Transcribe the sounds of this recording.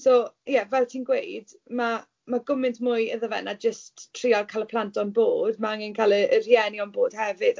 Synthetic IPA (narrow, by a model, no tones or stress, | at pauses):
sojɛvɛlˠtʰiːnɡwejd̥ | ma | maɡʊmɪntmʊjəðəvɛ̰nad͡ʒəsttʰːr̥ialkʰalˠəpʰlˠantʰɔnboːdmaaŋɪnkʰalˠəər̥jɛniɔnboːd̥hɛvɨd̥